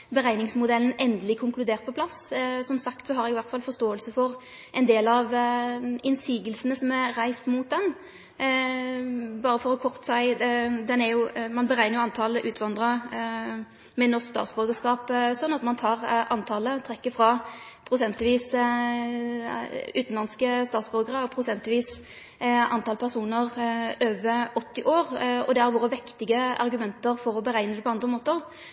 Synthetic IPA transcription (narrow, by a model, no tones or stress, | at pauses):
bəʁæɪnɪŋsmʊd̪ɛln̩ɛnd̪əlɪkʰʊŋklʉd̪eːʁt̪̚pɔpʰlɑssɔmsɑkt̪sɔɦɑɾɛɡɪʋæʁt̪fɑlfɔʁst̪oːəlsəfɔʁ | ʔɛɪnd̪eːlɑʋ | ɪnsiːɡəlsənəsɔmɛɾæɪst̪muːt̪̚d̪ɛn | bɑːɾəfɔɾɔkʰɔʁt̪əsæɪd̪ɛnæɾjʊmɑnbəʁæɪnəjʊɑnt̪ʰɑːləʔʉːt̪ʰʋɑnd̪ʁɑ | mɛnɔʁskst̪ɑ̰ːt̪sbœɾɡəskɑːpsɔnːɑt̪mɑnt̪ʰɑːʁʔɑnt̪ʰɑːlət̪ʰɾɛkːəfɾɑ | pʰɾʊsɛnt̪lɪʋiːs | ʉːt̪n̩lɑnskəst̪ɑːt̪sbœɾɡəʁəpʰɾʁʊsɛnt̪lɪʋiːs | ʔɑnt̪ʰɑːlpʰæʁsuːnəʁøːʋəɔt̪ːɪʔoːʁɔ̰d̪ɛhæɾʋoːʁəʋɪkt̪ɪɡəʔɑ̰ʁɡʉmɛnt̪əʁfɔɾɔbəʁæɪnəd̪ɛpʰɔɑnd̪ʁəmoːt̪əʁ